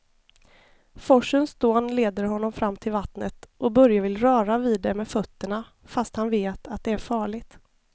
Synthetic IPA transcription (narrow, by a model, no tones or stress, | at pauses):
fɔʂənsd̪oːnleːd̪əɾɦɔnːɔmfɾamːt̪ʰɪlvat̪nət̪ʔɔbœɾjavɪlɾœːɾaviːd̪ːɛmɛːfœt̪ːəɳa | fast̪hanveːt̪ʰat̪̚d̪ɛæɾfɑːɭɪɡt̪